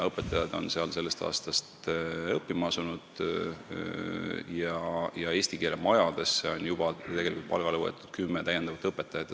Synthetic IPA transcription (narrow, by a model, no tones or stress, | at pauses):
ɤpːˑet̪ːˑɑjɑd̪̥o̞̰nse̞ɑlse̞lːest̪ɑ̰ːst̪ɑst̪ɤpːimɑɑsunud̪̥ | jɑjɑe̞ːst̪ikeːlemɑjɑd̪̥e̞sːeo̞njub̥ɑt̪e̞ɡe̞likult̪pɑ̰lɡ̥ɑlevoḛt̪ːˑud̪̥kymːet̪æjend̪̥ɑvɑt̪ːˑɤpːet̪ːˑɑjɑt̪ː